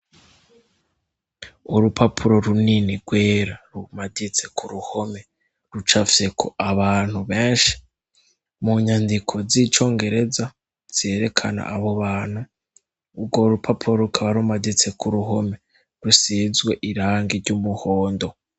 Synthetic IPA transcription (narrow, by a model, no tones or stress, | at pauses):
uɾupʰapʰuɾo̞ɾuniniɾɡweːɾaɾumadit͡se̞kʰuɾuho̞me̞ | ɾut͡ʃafise̞kʰoaβaːn̥huβe̞ːnʃi̥ | muɲandikʰo̞ziːt͡ʃo̞ːŋɡe̞ɾe̞za | z̥e̞ːɾe̞kʰana̰aβo̞βaːn̥huː | ɡoɾupʰapʰuɾo̞ɾukʰaβaɾumadit͡se̞kuɾuɦo̞me̞ | ɾusizɡwe̞ʔiɾaːŋɡiɾɟumuho̞ːndo̞